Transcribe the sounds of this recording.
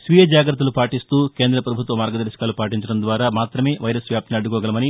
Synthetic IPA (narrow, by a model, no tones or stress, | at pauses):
sʋijɐd͡ʒaːɡɾɐt̪ːɐlupaːʈist̪uːke̞ːnd̪ɾɐpɾɐbʱut̪ʋɐmaːɾɡɐd̪ɐɾʃɐ̥kaːlupaːʈiɲt͡ʃɐɽɐnd̪ʋaːɾaːmaːt̪ɾɐme̞ːʋɐjɾɐsʋjaːp̚t̪iniɐɖːukɔːɡɐlɐmɐni